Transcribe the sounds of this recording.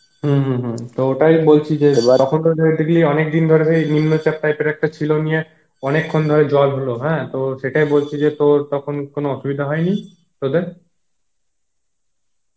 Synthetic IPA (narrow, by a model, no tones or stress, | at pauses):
ɦũɦũɦũt̪ooʈajbolt͡ɕʰid͡ʑeɔkʰonodod̪ikliɔnekd̪ind̪ʱoɾeʃejninːot͡ɕap̚ʈajpeɾɛk̚ʈat͡ɕʰilonije | ɔnekʰːond̪ʱɔɾed͡ʑɔbɦoloɦɛ̃t̪oʃeʈajbolt͡ɕʰid͡ʑet̪oɾt̪ɔkʰonkonoɔʃubid̪ʱaɦɔeni | t̪od̪eɾ